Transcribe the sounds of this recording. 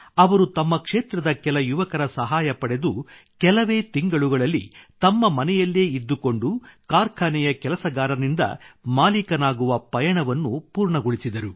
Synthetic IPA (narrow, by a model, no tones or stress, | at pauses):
ɐʋɐɾut̪ɐmːɐkʂeːt̪ɾɐd̪ɐkɛlɐjuʋɐkɐɾɐsɐɦaːjɐpɐɽe̞d̪u | kɛlɐʋeːt̪iŋɡɐɭuɡɐɭɐlːḭt̪ɐmːɐmɐnɛjɐlːeːid̪ːuko̞ɳɖukaːɾkʰaːnɛjɐkɛlɐsɐɡaːɾɐnind̪ɐ̰maːlikɐnaːɡuʋɐpɐjɐɳɐʋɐnːupuːɾɳɐɡoɭisid̪ɐɾu